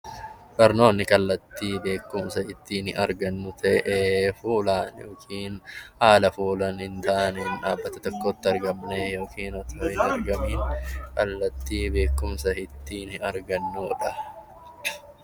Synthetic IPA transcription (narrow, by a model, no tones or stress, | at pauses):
b̥ɐɾno̞ːnːɪkɐlːɐt̪ːiːbe̞ːkːʊmsɐhɪt̪ːiːnɪʔɐɾɡɐnːʊt̪ʰɐʔeefuːlaːnjoːkʰiːnhaːlɐfuːlɐnhɪnt̪aːnɛnᶑaːbːɐt̪ɐt̪ɔkːot̪ːɪɐɾɡɐmnejo̞ːkiːnɔt̪ʰoːɪnɐɾɡɐmiːŋkɐlːɐt̪ːiːbe̞ːkːʊmsɐhɪt̪ːiːnɪɐɾɡɐnːʊᶑɐ